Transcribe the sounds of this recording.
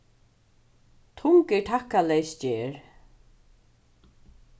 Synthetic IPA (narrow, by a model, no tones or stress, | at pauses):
t̪ʰʊŋkɛɹʈʰakːalɛjsd͡ʒeːɹ